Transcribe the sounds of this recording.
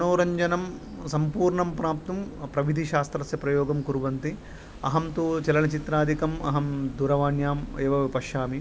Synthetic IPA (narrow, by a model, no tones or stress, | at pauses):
ɐnoːɾɐɲd͡ʒɐnɐm | sɐmpuːɾɳɐmpɾaːp̚t̪ɐmpɾɐʋid̪ʱiʃaːst̪ɾɐsjɐpɾɐjoːɡɐmkuɾuʋɐnt̪i | ɐ̰ɦɐmt̪ut͡ʃɛlɐnɐt͡ʃit̪ɾaːd̪ʱikɐmɐ̰ɦɐmd̪uɾɐʋaːɳjaːmeːʋɐʋipɐʃaːmi